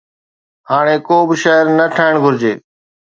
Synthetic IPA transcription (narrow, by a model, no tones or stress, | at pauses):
haːɽ̃eːkoːbɪʃaːəɾnəʈʰaːɪɳ̃ɡʱʊɾɪd͡ʑeː